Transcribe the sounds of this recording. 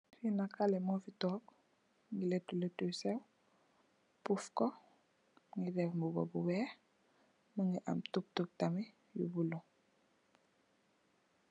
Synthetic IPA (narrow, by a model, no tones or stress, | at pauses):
finakalɛmɔfitɔːk | ŋɡiletuletusɛw | pufkɔ | ŋɡidɛfmbubɔ̰buwɛ | məŋɡiʔa̰mtup̚tup̚tami | jṵbulɔ